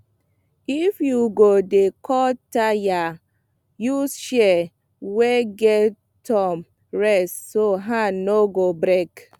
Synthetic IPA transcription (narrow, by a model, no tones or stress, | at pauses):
ifjuɡodekʰɔtaja | juʃɛ | weɡɛ | tʰɔm | ɹɛssoɦanoɡobɾek